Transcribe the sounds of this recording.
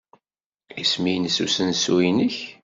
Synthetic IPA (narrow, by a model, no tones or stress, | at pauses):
ismijnsṵsənsuinəç